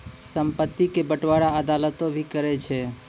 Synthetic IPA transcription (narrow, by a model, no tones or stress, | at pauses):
səmpət̪ːikebəʈʋaɽaəd̪alət̪õbʱikəɾɛt͡ʃʰɛ